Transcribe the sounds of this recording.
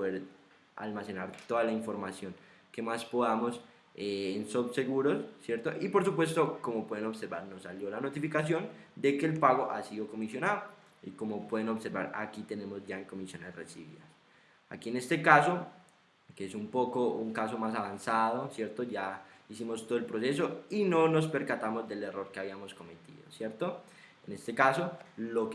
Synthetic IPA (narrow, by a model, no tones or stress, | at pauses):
poðeɾ | a̰lmase̞naɾt̪o̞ðalaiɱfo̞ɾmasjo̞ŋ | ke̞maspo̞ðamo̞s | eensoβse̞ɣuɾo̞ssje̞ɾt̪o̞ʔipo̞ɾsup̬we̞st̪o̞ko̞mopwe̞ðeno̞βse̞ɾbaɾno̞saljo̞lano̞t̪ifikasjo̞nd̪e̞ke̞ːlpaɣo̞ʔa̰siðoko̞misjo̞naðo | ḭko̞mopwe̞ðe̞no̞βse̞ɾba̰ɾa̰kit̪e̞ne̞mo̞zd͡ʒaeŋko̞misjo̞ne̞sresiβḭðas | a̰kie̞ne̞st̪e̞kaso̞ | keesumpo̞kouŋkas̬o̞masaβ̞ansaðo̞sje̞ɾt̪o̞ʝaisimo̞st̪oðelpɾose̞s̬o̞ino̞no̞spe̞ɾkat̪amozd̪e̞le̞ro̞ɾkeaβiamo̞sko̞me̞t̪ḭðo̞̰sje̞ɾt̪o | ene̞st̪e̞kasolok